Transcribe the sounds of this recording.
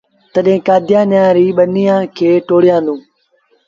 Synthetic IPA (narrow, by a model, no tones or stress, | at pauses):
t̪əɗɦẽːkaːd̪ʱjãːnãːɾiːɓənijãːkʰeːʈoːɽɪjãːnd̪ũː